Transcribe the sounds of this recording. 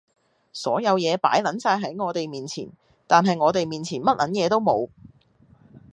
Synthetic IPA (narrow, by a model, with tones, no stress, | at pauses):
sɔː˨˥jɐ˨˧wjɛː˨˧pa̰ː˨˥jlɐ˨˥nsaː˧jɦɐ˨˥jŋɔː˨˧t̪e˨jmiː˨nt͡sʰḭ˨˩n | t̪aː˨nɦɐ˨jŋɔː˨˧t̪e˨jmiː˨nt͡sʰiː˨˩nmɐ˥t̚lɐ̰˨˥njɛː˨˧t̪o˥wmo˨˧w